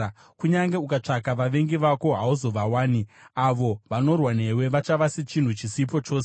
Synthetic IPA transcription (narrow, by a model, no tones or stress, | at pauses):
kuɲaŋɡe̞ukat͡ʂakaʋaʋe̞ŋɡiʋako̞ɦauzo̞ʋawaːniaʋo̞ʋano̞rwane̞we̞ʋat͡ʃaʋaset͡ʃin̤ut͡ʃisip̬o̞t͡ʃo̞ːse